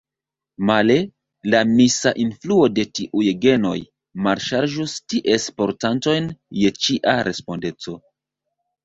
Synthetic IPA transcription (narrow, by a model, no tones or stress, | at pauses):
male̞ | lamisaʔinfluo̞de̞tiʔujɡe̞no̞̰j | malʃaɾʒustiʔe̞spo̞ɾtanto̞jnje̞t͡ʃiʔaɾʔe̞spo̞nde̞t͡so̞